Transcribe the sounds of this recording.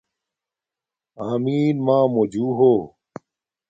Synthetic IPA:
aːmiːnmãːmod͡ʑuːɦoː

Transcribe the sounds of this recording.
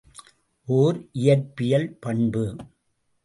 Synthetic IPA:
ʔoːɾʔɪjɐɾpɪjɐlpɐɳbɯ

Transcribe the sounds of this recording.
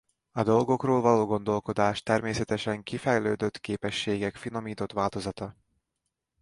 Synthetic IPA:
ɒd̪o̞lɡo̞kroːlvɒloːɡo̞nd̪o̞lko̞d̪aːʃt̪ɛrmeːsɛt̪ɛʃɛŋkifɛjløːd̪ø̞t̪keːpɛʃːeːɡɛkfino̞miːt̪o̞t̪ʋaːlt̪o̞zɒt̪ɒ

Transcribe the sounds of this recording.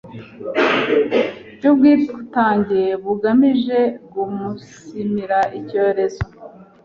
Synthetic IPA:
bɟub̚ɡiːɾiɡutaːɲɟijeβuɡamiʒe̞ɡumusimiɾaʔico̞ːɾe̞zo

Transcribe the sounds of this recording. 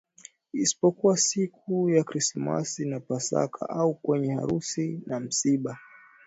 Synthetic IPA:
isi̥pɔkuwasikujakɾisma̰sinapasa̰kʰa̰ʔaukwɛɲɛha̰ɾusinam̩siɓa

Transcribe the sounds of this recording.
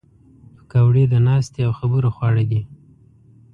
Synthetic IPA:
kawɽed̪ənɑst̪eawxabəɾoxwɑɽad̪i

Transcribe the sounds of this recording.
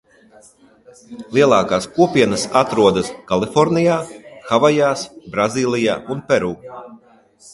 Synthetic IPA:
lˠiɛlˠɑːkaːskuɔpʲiɛnasat̪ɾuɔd̪ɐskalˠifɔɾnijaːxavajaːsbɾaziːlˠija̰ːunpɛɾuː

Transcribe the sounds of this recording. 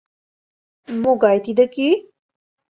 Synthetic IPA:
moɡajt̪id̪əki

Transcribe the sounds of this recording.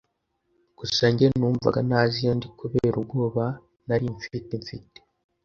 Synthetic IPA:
ɡ̥usaɲɟenuːɱva̰ɡanaːzijondikuβeɾubɡo̞ːβa | naɾiɱfiteɱfḭte̥

